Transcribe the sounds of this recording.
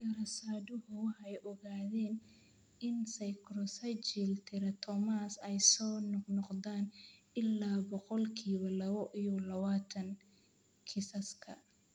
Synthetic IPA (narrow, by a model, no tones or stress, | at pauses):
ɐɾɐsaːdʊɦʊħɛjʔɔɣaːðɛːn | ɪnsɐjkʰɾɔsɐt͡ʃilt̪ʰɪɾɐt̪ʰɔmaːsɛjsɔːnɔqnɔqdaːn | ɪlːaːbɔqɔlkʰiːβɐlɐβɔʔijɔlɐβaːt̪ʰɐŋ | kʰɪsɐskʰɐ